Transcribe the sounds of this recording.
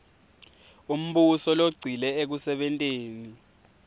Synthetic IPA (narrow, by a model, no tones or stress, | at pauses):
um̩ɓusɔloɡ͡ǀʱilɛek̬usɛɓɛntʼeːni